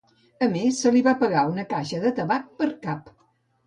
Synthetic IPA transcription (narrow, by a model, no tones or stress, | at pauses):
əmesːəliβapəɣaunəkaʃəðət̪əβak̚pəɾkap